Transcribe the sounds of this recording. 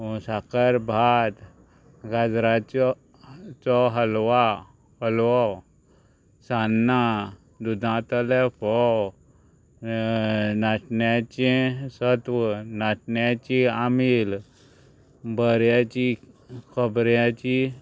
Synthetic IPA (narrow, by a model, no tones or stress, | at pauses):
sakəɾbʱad̪ | ɡad͡zɾat͡ɕɔ | t͡sɔɦəlʋa | həlʋɔ | sanːa | d̪ud̪ʱãt̪əlɛpɔ | naʈnjat͡ɕẽsət̪ʋənaʈɳjat͡ɕiamil | bəɾjat͡ɕi | kʰəbɾjat͡ɕi